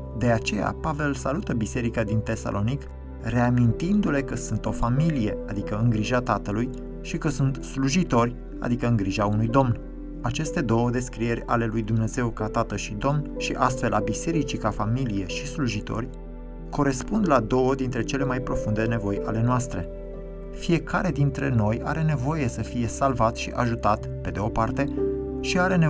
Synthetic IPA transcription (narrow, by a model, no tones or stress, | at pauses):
d̪e̞at͡ʃe̞ja̰pave̞lsalut̪əbise̞ɾikad̪int̪e̞sa̰lʔo̞nik | re̞amint̪ind̪ule̞kəsunt̪o̞familije̞ad̪ikəɨŋɡɾiʒat̪at̪əluj | ʃikəsunt̪sluʒit̪o̞rʲ | a̰d̪ikəɨŋɡɾiʒaunujd̪o̞mn | at͡ʃe̞st̪e̞d̪o̞wəd̪e̞skɾije̞ɾʲa̰le̞lujd̪umne̞ze̞wkat̪at̪əʃid̪o̞mnʃiʔast̪fe̞labise̞ɾit͡ʃikafamilije̞ʃisluʒit̪o̞̰rʲ | ko̞ɾe̞spund̪lad̪o̞wəd̪int̪ɾe̞t͡ʃe̞le̞majpɾo̞fund̪e̞ne̞vo̞jʔale̞noast̪ɾe̞̰ | fije̞kaɾe̞d̪int̪ɾe̞no̞ja̰ɾe̞ne̞vo̞je̞səfije̞salvat̪ʃiʔaʒut̪at̪ | pe̞d̪e̞o̞part̪e̞ʃiaɾe̞ne